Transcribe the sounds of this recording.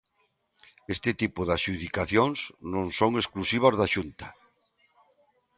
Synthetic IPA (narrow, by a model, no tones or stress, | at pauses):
est̪ɪt̪ipʊðaʃuðikaθjoŋsnõŋsoŋesklusiβ̞azðaʃunt̪ɐ̥